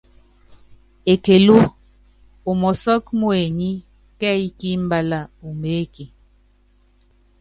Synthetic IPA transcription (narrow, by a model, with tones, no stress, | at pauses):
e˨ke˨lo˦ | o˨mɔ˨sɔ˦kmo˦e˨ɲi˦ | kɛ˦i˦ki˦m˦ba˦la˦u˨me˨˦ki˨